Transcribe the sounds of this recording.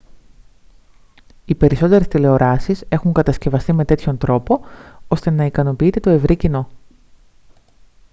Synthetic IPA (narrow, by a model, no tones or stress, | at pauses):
ipe̞ɾiso̞t̪e̞ɾest̪ile̞o̞ɾɐsise̞xuŋkɐt̪ɐsce̞vɐst̪ime̞t̪e̞t̪ço̞nt̪ɾo̞po̞o̞st̪e̞nɐikɐno̞piit̪et̪o̞e̞vɾicino̞